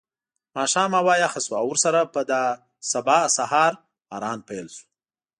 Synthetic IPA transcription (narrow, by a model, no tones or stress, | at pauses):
mɑːʃɑːmawɑːjaxasuawʊɾsaɾapəd̪a | sabɑsahɑɾ | aɾɑːnpajlsu̥